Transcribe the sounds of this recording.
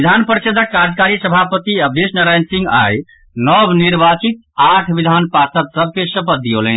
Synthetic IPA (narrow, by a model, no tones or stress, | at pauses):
id̪ʱanpəɾt͡ʃəd̪ʱəkːaɾd͡ʒkaɾisəbʱapət̪iəb̚d̪esnəɾajnsĩŋɡa̰j | nɔbniɾbat͡ʃit̪̚ | aʈʰʋid̪ʱanpasət̪səb̚ʱkesəpəd̪iolən